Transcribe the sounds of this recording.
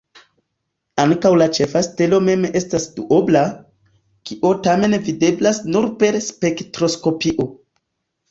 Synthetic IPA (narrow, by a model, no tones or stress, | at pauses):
aŋkawlat͡ʃe̞fastelo̞me̞me̞stasduʔobla | kiʔotame̞nvide̞blasnuɾpe̞ɾspe̞ktɾo̞sko̞piʔo̞